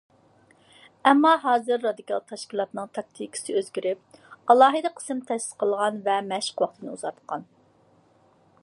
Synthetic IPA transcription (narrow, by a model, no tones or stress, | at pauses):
ɛmːɑɦɑːzɨɾːɑd̪ikʰɑlˠt̪ʰɑʃkʲilˠɑt̪nɨŋt̪ʰɑk̚t̪ʰikʰʲi̥sɨøzɡʲiɾɪp̚ɑlˠɑːɦɨd̪ɨqʰːə̥sɨmt̪ʰɛsɪ̥sqʰəlˠʁɑnvɛmɛʃə̥qwɑχt̪ʰɨnɨuzɑɾt̪ʰqʰɑn